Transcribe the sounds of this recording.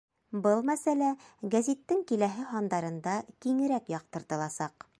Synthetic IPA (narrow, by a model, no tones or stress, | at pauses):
bɤlˠmæsælæɡæzʲit̪ːɘŋkilæɦɘɦɑnd̪ɑɾɤ̆nd̪ɑkiŋɘ̆ɾækjɑq̚t̪ɤ̆ɾt̪ɤ̆lˠɑsɑq